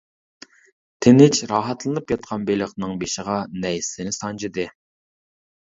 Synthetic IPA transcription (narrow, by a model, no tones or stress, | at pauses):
t̪ʰɪnɪt͡ʃʰɾɑɦɑt̪lˠɨnɨp̚kʲɑt̪̚qʰɑnbelɪχnɨŋbeʃɪʁɑnɛjsɪnɪsɑnd͡ʒɪd̪ɨ